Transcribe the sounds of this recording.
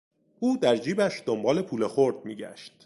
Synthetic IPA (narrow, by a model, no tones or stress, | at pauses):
ʔuːd̪æɾd͡ʒiːbæʃd̪ombɒːle̞pʰuːlexoɾd̪̚miːɟæ̰ʃt̪